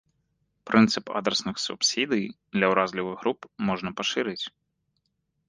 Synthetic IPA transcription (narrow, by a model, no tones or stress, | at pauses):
pɾʔɪnt̪sɪpɑ̰d̪ɾesnɪxsʊ̰psʲid̪ɨjd̪lʲɐwɾɑzʲlʲɪʋɪɣɦɾupmɔʐnɐpɔʃɪɾɪtʲ